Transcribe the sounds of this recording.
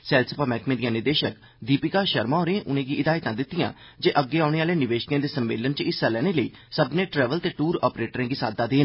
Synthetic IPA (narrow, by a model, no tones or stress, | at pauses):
sɛːlsəpaːmɛːkmẽːd̪ijãːnɪɾd̪eːʃək | d̪iːpɪkaːʃəɾmãːoːɾẽːʔʊnẽːɡiːʔɪd̪aːɪt̪ãːd̪ɪt̪ːɪjã̰ː | d͡ʒeːʔəɡːeːaːɽeːaːleːnɪʋeːʃkẽːd̪eːsəmːḛːlənt͡ʃɪsəlɛːnẽːləiːsəbnẽːʈɾɛːʋəlt̪eːʈuːɾɔ̰ːpɾeːʈɾẽːɡiːsa̰ːd̪aːd̪eːn